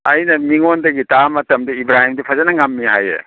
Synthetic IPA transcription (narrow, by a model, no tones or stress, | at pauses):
ɐjnɐmiŋondɐɡitamɐtɐmdɐibɾahimdipʰɐzɐnɐŋamːiɦajḛ